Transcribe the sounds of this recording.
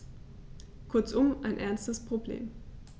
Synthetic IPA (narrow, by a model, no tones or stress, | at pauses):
kʰʊɐt͡sʔʊmʔaɪnʔɛɐnstəspʁ̥oblḛːm